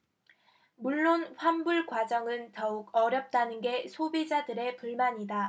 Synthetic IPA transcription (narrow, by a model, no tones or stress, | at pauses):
muɭːonɸwambuɭkwad͡ʑʌŋɯntʌuɡʌɾjʌp̚t͈anɯnɡe̞sʰobid͡ʑadɯɾe̞puɭmaɲida